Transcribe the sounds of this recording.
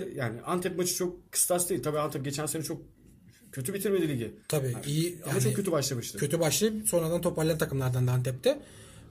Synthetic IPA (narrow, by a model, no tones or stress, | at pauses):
jaːnɪʔant̪ʰɛpmat͡ʃʰɯ̥t͡ʃʰok̚kʰːɯ̥st̪ʰasd̪ejilʲt̪abiːant̪ʰɛp̚ɟe̞t͡ʃʰænsenɛt͡ʃʰok̚ | cʰøt̪ʰybit̪ʰiɾmed̪ilʲiɟt̪ʰabiːijiamanɛkʰøt̪̬ʰybaʃlˠɯbaʃlˠɯcʰø̞t̪ʰybaʃlˠɯso̞nɾad̪ant̪ʰo̞pʰalʲːaɾt̪ʰakɯmlˠaɾd̪and̪aant̪ʰɛp̚t̪ʰɛ